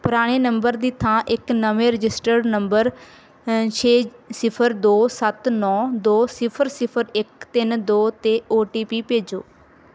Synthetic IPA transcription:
pʊɾaːɽ̃eːnəmbəɾd̪iːt̪ʰãːʔɪknəʋẽːɾɪd͡ʒɪsʈəɖnəmbəɾ | t͡ʃʰeːsɪpʰəɾd̪oːsət̪nɔːd̪oːsɪpʰəɾsɪpʰəɾɪkt̪ɪnd̪oːt̪eːoːʈiːpiːpeːd͡ʒo̰ː

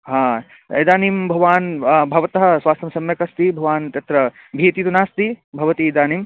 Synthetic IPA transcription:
ɦãː | ɐ̰jd̪aːnimbʱɐʋaːnbʱɐʋɐt̪ɐɦɐ̆sʋaːst̪ɐmsɐmjɐkɐst̪ibʱɐʋaːnt̪jɐt̪ɾɐ | bʱiːt̪it̪unaːst̪ibʱɐʋɐt̪id̪aːniːm

